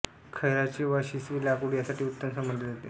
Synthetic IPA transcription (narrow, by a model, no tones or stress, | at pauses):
kʰəjɾat͡ɕiʋaɕisʋiːlakuɽijasaʈʰiːut̪ːənsəmənd̪led͡zat̪e